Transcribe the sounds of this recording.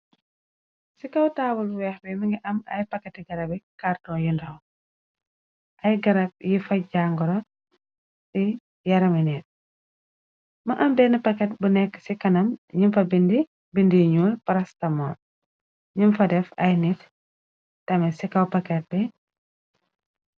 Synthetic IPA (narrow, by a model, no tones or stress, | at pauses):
sikɐwtaːwulbuwɛxbɛmiŋɡiʔɐmɐ̰jpɐkːɛtiɡɐɾɐbɛkartɔːnjindɐw | ʔɐjɡɐɾɐb̚jifɐɟaŋɡɔɾɔ | tɛ | jɐɾɐminɛːt̚ | mɐʔɐmbɛnɐpɐkɛt̚bunɛkːə̥sikɐnɐmɲimfɐbindi | bindijɲuːlpɐɾɐstɐmɔːn | ɲimfɐdɛfɐjnit | tɐmɛsikɐwpɐkɛt̚bɛ